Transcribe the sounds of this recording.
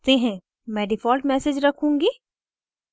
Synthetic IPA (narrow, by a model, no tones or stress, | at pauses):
t̪eɦɛ̃ː | mɛ̃ːɖɪfɔːlʈmɛːsed͡ʒɾɐkʰũːŋɡiː